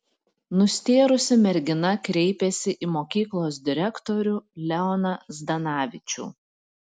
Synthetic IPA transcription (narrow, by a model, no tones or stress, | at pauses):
nʊsʲt̪ʲeːɾʊsʲɪmʲɛɾʲɡʲɪnɐkɾʲɛɪpʲɛsʲɪʔiːmoːkʲiːklˠoːs̬d̪ʲɪɾʲɛkt̪oɾʲʊlʲɛɔnɐzd̪ɐnɑːʋʲɪt͡ʃʲṵː